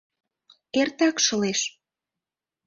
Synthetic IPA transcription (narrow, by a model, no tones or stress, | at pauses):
ert̪ɑkʃə̆leʃ